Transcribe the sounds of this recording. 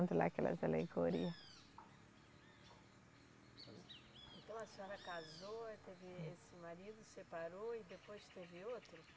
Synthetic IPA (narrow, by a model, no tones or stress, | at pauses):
nt̪ʊla̰kɛlɐ̰zalḛɡoɾiɐs | ẽnt̪ɐ̃w̃ɐsiɔɾɐkazot̪evɪesɪmaɾid̪ʊsepaɾoid̪epojst̪evɪot̪ɾʊ